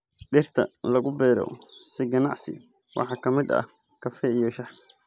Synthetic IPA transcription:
ɗɪrt̪ʰɐ̰lɐɣʊbɛːɾɔ̰sɪɡɐnɑ̰ʕsɪ̰ | wʔɑ̰ħɑːkʰɐmɪd̪ɐ̰h | kʰɐfɛijɔʃɑħ

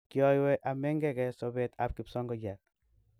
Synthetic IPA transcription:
kiɔjwɛʔamɛŋɡɛkɛsɔβɛt̪ap̚kipsɔŋɡɔd͡ʒat̚

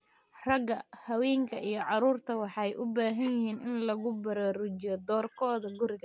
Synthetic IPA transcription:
rɐɡɐhɐwɛːŋkʰɐʔijɞʕɑɾuːrt̪ʰɐwɑħɑjʔʊbaːɦɐnjɪɦiːnʔɪnlɐɣʊbɐɾaːɾʊt͡ʃɪjɔd̪ɔːrkʰɔːðɐɡʊɾɪɣɐ

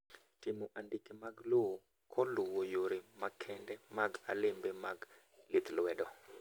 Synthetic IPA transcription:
tɪmɔʔandɪkemaɡlowo | kʰɔlʊwojoɾimakʰɛndɛmaɡa̰lɪmbemaɡ | lɪt̪lwɛdɔ

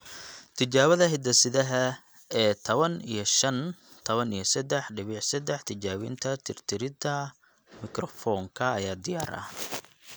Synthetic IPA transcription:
t̪ʰɪt͡ʃaːβɐðɐɦɪd̪ɐsɪðɐɦɐ | ɛːt̪ʰɐβɐnḭjɞʃɐn | t̪ʰɐβɐnijɔsɐd̪ɛħɖɪβɪʕsɐd̪ɛħt̪ʰɪt͡ʃaːwɪ̰nt̪ʰɐt̪ʰɪrt̪ʰɪɾɪd̪ɐ | mɪkɾɔfɔːŋkʰɐːjaːd̪ɪjaːɾɐ̰

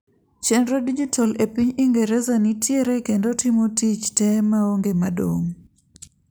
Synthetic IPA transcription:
t͡ʃɛndɾodid͡ʒitʰalepiɲiŋɡeɾɛzanitjeɾekendotimotit͡ʃtɛmaoŋɡemado̰ŋ

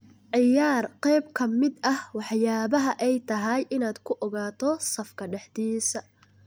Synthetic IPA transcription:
ʕɪjaːrqɛjbkʰɐmɪd̪ɐhwɑħjaːβɐɦɐʔɛjt̪ʰɐɦɐjʔɪnaːd̪kʰʊʔɔɣaːt̪ʰɔsɐfkʰɐɖɛħd̪iːsɐ

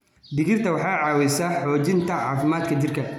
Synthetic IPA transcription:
d̪ɪɣɪrt̪ʰɐwɑħɑːʕɑːwɛjsaːħɔːt͡ʃɪnt̪ʰɐʕɑːfɪmaːd̪kʰɐt͡ʃɪrkʰɐ

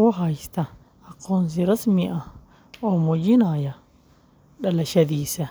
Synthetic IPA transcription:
wɔɦɐjst̪ʰɐ | ɐqɔːns̬ɪɾɐsmɪʔɐh | ɔːmɔd͡ʒɪnaːjɐ | ɖɐlɐʃɐðiːsɐ

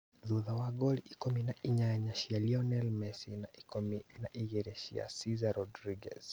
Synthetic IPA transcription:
ðuðawaɡɔliʔikɔminaʔiɲaɲaʃialiɔnɛlmɛsinaikɔminaʔiɣɛɾɛʃḭa̰sizaɾɔdɾiɡɛ̰s

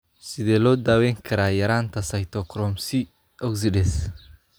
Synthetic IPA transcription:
sɪðɛːlɔːd̪aːwɛːŋkʰɐɾaːjɐɾaːnt̪ʰɐsɐjt̪ʰɔkʰɾɔmsɪ | ɔksɪɖɛs

